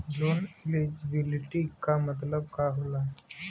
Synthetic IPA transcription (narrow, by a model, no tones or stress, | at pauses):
d͡zoniled͡ʑibiliʈiːkːamət̪̬ləb̚kaɦola